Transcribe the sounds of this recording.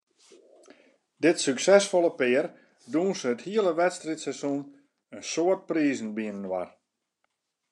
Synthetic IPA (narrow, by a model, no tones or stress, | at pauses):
dɪtsyksɛsfoləpɪər | dunsəəthiələʋɛtstritsɛsun | ənsoərt̚priːzən̩biənənwa̰r